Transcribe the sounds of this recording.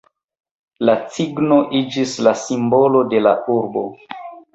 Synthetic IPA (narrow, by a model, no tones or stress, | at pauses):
lat͡siɡno̞ʔid͡ʒislasimbo̞lo̞de̞la̰ʔuɾbo̞